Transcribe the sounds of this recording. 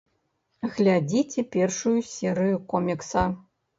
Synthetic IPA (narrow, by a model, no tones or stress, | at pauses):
ɣlʲad͡zʲit͡sʲɛpʲɛrʂujusʲɛɾɨjukɔmʲiksɐ